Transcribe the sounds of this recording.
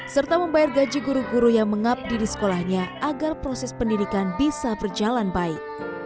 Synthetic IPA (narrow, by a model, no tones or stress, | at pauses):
sərt̪aməmbajarɡad͡ʒiɡuɾuɡuɾujaŋməŋap̚didisə̥kolahɲaʔaɡarpɾosɛspəndidikanbisabərd͡ʒalanbaɪk̚